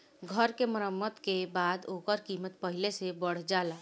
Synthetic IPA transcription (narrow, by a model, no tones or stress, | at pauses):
ɡʱəɾkeməɾəmːəd̪kebaːd̪oːkəɾkiːmət̪̚pəɦɪlesebəɽ̤d͡ʒaːla